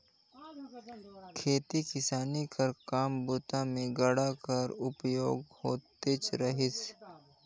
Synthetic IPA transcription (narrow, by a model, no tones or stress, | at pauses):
kʰeːt̪ikɪsaːnikɐɾkaːmbuːt̪ãmẽɡɐɽakɐɾʊpjoːɡhoːt̪et͡ʃɾɐɦɪs